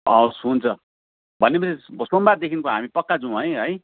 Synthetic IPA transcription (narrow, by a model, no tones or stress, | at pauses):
ʌosɦunt͡sʰʌ | bʱʌnːepʌsesbsombat̪̚d̪ekʰinkoɦamipʌkːad͡zũɦʌjɦʌj